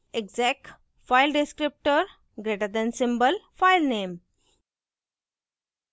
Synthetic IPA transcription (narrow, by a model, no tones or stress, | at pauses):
eɡd͡zɛk̚ʈ | fajlɖeskɾip̚ʈəɾ | ɡɾeʈəɾd̪ɛ̃nsĩmbəlfajlnem